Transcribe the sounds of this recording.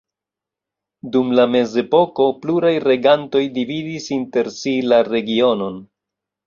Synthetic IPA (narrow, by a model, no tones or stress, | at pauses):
dumlame̞ze̞po̞ko̞pluɾajɾe̞ɡanto̞jdividisinte̞ɾsilaɾe̞ɡio̞no̞n